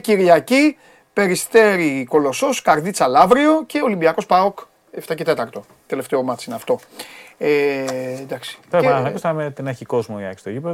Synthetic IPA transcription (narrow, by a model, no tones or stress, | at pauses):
ciɾʝɐci | pe̞ɾist̪e̞ɾiko̞lo̞so̞skɐɾðit͡sɐlɐvɾio̞ce̞olimbiɐko̞spɐok | eft̪ɐce̞t̪e̞t̪ɐɾt̪o̞ | t̪e̞le̞ft̪eo̞mɐt͡siineɐft̪o̞ed̪ɐksi̥d̪ɐsɐɐkost̪ɐmet̪inɐçiko̞zmojeksi̥t̪oʝipe